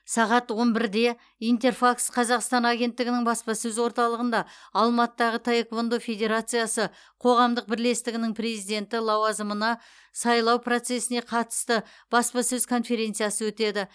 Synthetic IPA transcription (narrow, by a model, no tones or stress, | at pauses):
sɑʁɑt̪wo̞nbɪɾd̪e̞ | ijnt̪e̞rfaksqʰɑzɑqst̪ɑnaɡʲe̞nt̪ːɪɡʲɪnɪŋbɑspɑsɵzwo̞ɾt̪ɑlˠəʁənd̪ɑːlˠmɑt̪d̪ɑʁət̪ʰajekvond̪ofe̞d̪ʲe̞ɾat̪sɨjasə | qʰo̞ʁɑmd̪əq̚bɪɾle̞st̪ɪɡʲɪnɪŋpʰre̞zijd̪e̞nt̪ɪlˠɑwɑzəmənɑ | sɑjlˠɑwpʰro̞t̪se̞sɪne̞qʰɑt̪ə̥st̪ə | b̥ɑspɑsɵzkʰo̞nfe̞ɾʲe̞nt̪sɨjasəwɵt̪e̞d̪ɪ